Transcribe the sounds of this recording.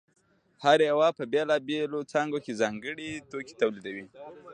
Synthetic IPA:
haɾeawɑpəbelɑbelot͡sɑŋɡokezɑŋɡəɽit̪oki̥t̪awlid̪awi

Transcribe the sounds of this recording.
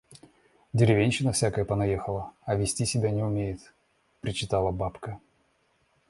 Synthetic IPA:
dʲɪɾʲɪvʲenʲɕɪnəfsʲakəjəpənɐjexəlˠəɐvʲɪsʲtʲisʲɪbʲænʲɪʊmʲejɪt̪ | pɾʲɪt͡ɕɪt̪alˠəbapkə

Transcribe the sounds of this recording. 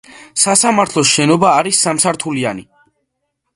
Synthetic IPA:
sasamaɾt̪ʰlˠɔsʃɛnɔbaːɾisːamsaɾt̪ʰulia̰ni

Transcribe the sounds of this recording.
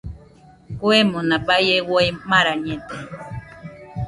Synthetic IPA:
kwemonapajewojmaɾaɲẽt̪e

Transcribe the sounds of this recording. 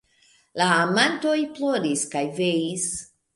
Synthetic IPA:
laːmanto̞jplo̞ɾiskajvejis

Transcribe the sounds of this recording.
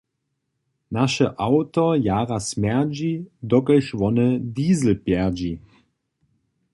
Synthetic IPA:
naʃəʔawt̪ɔjaːʁasmɛʁd͡ʑid̪ɔkəʃvɔnəd̪iːzl̩pjɛʁd͡ʑi

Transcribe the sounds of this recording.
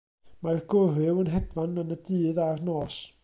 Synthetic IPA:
marɡʊrɪwənɦɛdvanənədɨːðarnoːs

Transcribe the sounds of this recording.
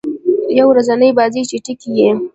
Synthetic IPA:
jawɾazɐnajbaːzit͡ʃiʈikijeː

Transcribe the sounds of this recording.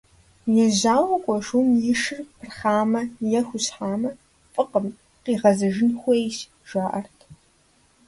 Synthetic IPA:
jɛʑaːwʷɐkʷʼɔʂumjɪʂɨrpʰɨrχaːmɐjɛxʷʊɕħaːmɐ | fʼɨqəm | qiːʁɐzɐʒɪnxʷejʃ | ʒaːʔɐrtʰ

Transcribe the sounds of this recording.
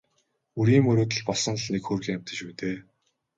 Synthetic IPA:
uɾiːmɵɾoːt̪̬ə̆ɮpɔɮsɞ̆ŋɮnekxɵrɣʲiæm̥ʲt̪ə̆t͡ɕpuːt̪eː

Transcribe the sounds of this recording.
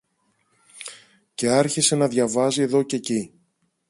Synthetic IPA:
ce̞ɐɾçise̞nɐðʝɐvɐzie̞ðo̞ce̞ci

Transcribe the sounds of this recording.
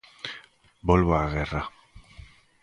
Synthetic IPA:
bolβaːɣera

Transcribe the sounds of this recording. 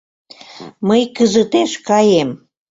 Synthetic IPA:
məjkəzət̪eʃkɑjem

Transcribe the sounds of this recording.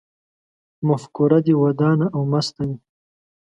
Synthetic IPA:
mafkuɾad̪iwad̪ɑːnaʔawmast̪awi

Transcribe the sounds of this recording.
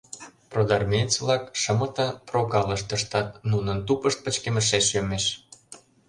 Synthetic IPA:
prod̪ɑrmʲenʲt͡sβlɑkʃə̆mɤ̆t̪ɑprokɑləʃt̪əʃt̪ɑt̪̚nunənt̪upəʃt̪̚pə̆t͡ɕkemə̆ʃ̬eʃjømeʃ

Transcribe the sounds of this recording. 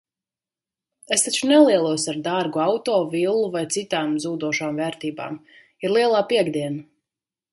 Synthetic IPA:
est̪at͡ʃunɛlˠiɛlˠuɔsaɾd̪aɾɡuawt̪ɔːvilˠːuvajt̪sit̪aːmzuːd̪uɔʃaːmvɛːɾt̪iːba̰ːm | iɾlˠiɛlˠaːpiɛɡd̪iɛna

